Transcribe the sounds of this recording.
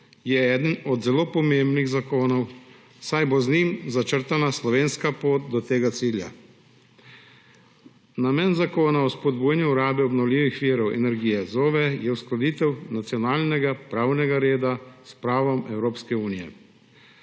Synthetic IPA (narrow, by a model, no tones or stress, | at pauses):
jɛɛːd̪ənɔd̪zɛloːpɔmembniɣzakoːnɔw | sajboznimzat͡ʃəɾt̪anaslɔʋeːnskapoːt̪̚d̪ɔt̪eːɡat̪siːlja̰ | namɛːnzakoːnaɔspɔd̪buːjɛnjuːɾaːbɛɔbnɔwlʲiːʋixʋiːɾɔwʔɛ̰nɛɾɡiːjɛzoːʋɛjɛwsklɔd̪iːt̪ɛwnat̪sijɔnaːlnɛɡapɾaːwnɛɡaɾeːd̪aspɾaːʋɔmɛwɾoːpskɛuːnijɛ̰